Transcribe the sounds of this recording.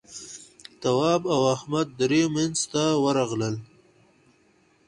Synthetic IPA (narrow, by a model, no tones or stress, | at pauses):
t̪awɑːbawahmad̪̚ːɾemenzt̪awəɾaɣləl